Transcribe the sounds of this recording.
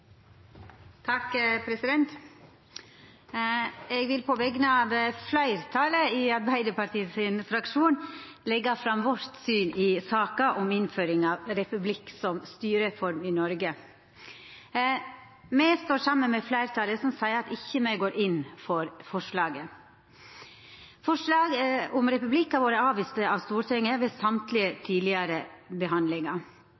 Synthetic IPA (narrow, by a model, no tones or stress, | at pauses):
t̪ʰɑkpʰɾɛsɪd̪ɛnt̪ | ɛɡʋɪlpʰɔʋɛɡnəɑːʋflæɪɾt̪ʰɑːləɪɑɾbæɪd̪əpɑʈ̪iːəsɪnfɾɑkʂuːn | lɛɡːɑfɾɑmʋɔɾt̪syːnɪsɑːkɑʔɔmɪnføːɾɪŋɑːʋɾɛpʉblɪksɔmst̪yːɾəfɔɾmɪnɔɾɡə | mɛst̪oːʂɑmːənmɛflæɪɾt̪ʰɑlːəsɔmsæɪɑt̪ɪçːəmɛɪɡoːɾʔɪnfɔɾfɔʂɭɑːɡə | fɔʂlɑːɡəɔmɾɛpʉblɪkːɑʋoːɾəɑːʋiːst̪əɑʋst̪uːɾʈʰɛŋːəʋɛsɑmt̪ʰlɪət̪ʰiːlɪəɾəbəɦɑnd̪lɪŋɑ